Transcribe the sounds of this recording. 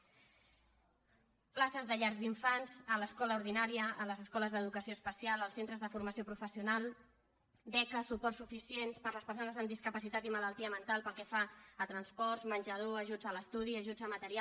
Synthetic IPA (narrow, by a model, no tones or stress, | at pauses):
plasəzðəʎaɾzdiɱfanz̥ələskɔləuɾð̞inaɾiəʔːləzəskɔləzðəðukəsioəspəsialəlˠsent̪ɾəzðəfuɾməsiopɾufəsiunalˠ | bɛkəsupɔrsufisienspəɾləspərsonəzəmd̪iskəpəsit̪at̪imələlˠt̪iəmənt̪alˠpəlˠkɛfaət̪ɾənspɔrzmənʲʒəð̞oəʒud͡zələst̪uð̞iəʒud͡zəmət̪əɾia